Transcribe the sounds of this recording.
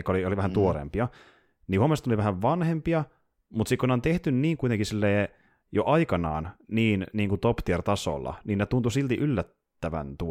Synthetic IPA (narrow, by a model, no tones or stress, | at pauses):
kːɑolioliʋæhænt̪uoɾḛmpiɑ | nihuomest̪oliʋæhæʋʋɑnhempiɑ | mut̪sikoneont̪eht̪ynniːŋkuit̪eŋkisilːeː | joʔɑikɑnɑ̰ːnniːnniːŋkut̪opt̪iert̪ɑso̰lːɑ̰niːnet̪unt̪usilt̪iʔylːæt̪ːæʋæ̰nt̪u